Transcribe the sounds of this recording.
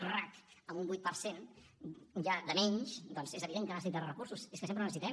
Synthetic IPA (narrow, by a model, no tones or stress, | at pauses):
rak̪əmumbujt̪̚pəɾsen | ʒaðəmɛɲʃd̪ɔnzezəβiðeŋkanas̬it̪aərəkuɾsuseskəsempɾənəsit̪ɛm